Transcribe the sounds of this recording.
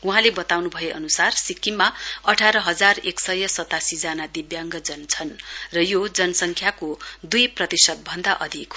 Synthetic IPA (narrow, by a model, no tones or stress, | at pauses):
uɦãlebʌt̪awnubʱʌjeʔʌnusarsikːimːaʌʈʰaɾʌɦʌd͡zareksʌjʌsʌt̪asid͡zanad̪ibjaŋɡʌd͡zʌnt͡sʰʌnrʌjod͡zʌnʌsʌŋkʰjakod̪ujprʌt̪isʌd̪̚bʱʌnd̪aʔʌd̪ʱik